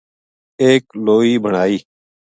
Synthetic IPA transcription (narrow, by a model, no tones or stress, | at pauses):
eːkloːiːbʱəɳaːiː